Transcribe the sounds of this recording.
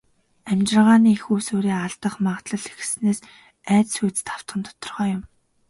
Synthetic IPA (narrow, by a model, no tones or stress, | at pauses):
æmt͡ɕɪ̆rʁaːniːxuːsoːɾiːaɮt̪ə̆χmaχt̪ɮə̆ɮex̆sneːs | æːt͡ssujt͡st̪ʰaw̥t̪χə̆nt̪ʰɔ̥t̪ɞ̆rʁœːjʊm